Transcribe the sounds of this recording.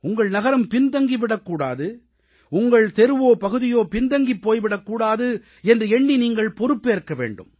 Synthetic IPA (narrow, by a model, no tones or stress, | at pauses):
ʊŋɡɐɭnɐɣɐɾɐmpɪnd̪ɐŋɡiʋɪɽɐkːuːɽa̰ːðɯ | ʊŋɡɐɭt̪ɛɾɯʋoːpɐɣɯðɪjoːpɪnd̪ɐŋɡipːoːjʋɪɽɐkːuːɽaːðɯ | ɛndrɯɛɳːiniːŋɡɐɭpɔɾɯpːeːɾkːɐʋḛːɳɖɯ̰m